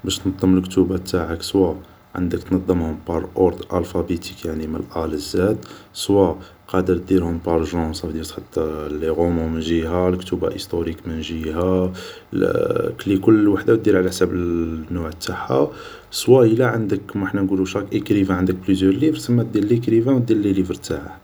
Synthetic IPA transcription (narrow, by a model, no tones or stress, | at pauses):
bæʃt̪nɑd̪ˤːəməlkt̪ubat̪ːaʕəkswa | ʕə̰nd̪əkt̪nɑd̪ˤːəmhʊmpɑɾˤʔoɾd̪ʔælfæbit̪ikjaʕniməlʔæləzːæt̪swa | qɑd̪əɾt̪̚d̪iɾhʊmpɑɾˤʒɑ̃sˤɑfd̪isħat̪ːælːiɣomumənʒiɦælkt̪uba̰ʔist̪oɾikmənʒihæ̰ | klikʊlːwaħd̪awt̪̚d̪iɾʕlæħsæbənːʊʕət̪ːaħa̰ | swæəlæʕənd̪əkːmħnænɡuluʃɑkʔəkɾivæ̃ʕənd̪ək̚blyzjəɾlivɾsəmːæd̪iɾlːikɾivæ̃wd̪iɾlːilivɾt̪aʕa̰